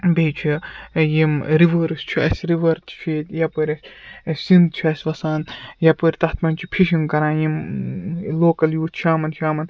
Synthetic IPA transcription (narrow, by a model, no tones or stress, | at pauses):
beːt͡ʃʰijimɾiʋəːɾɨst͡ʃʰuɐ̰sʲɾiʋɐɾt̪ʰt͡ʃʰiːt̪jɐpəɾʲɐsʲsind̪̚t͡ʃʰuɐsʲʋɐsaːnjɐpəɾʲt̪ɐht̪ʰmɐnʲt͡ʃʰipʰiʃiŋkɐɾãːjim | loːkɐljuːt̪ʃʰaːmɐnt͡ʃʰaːmɐn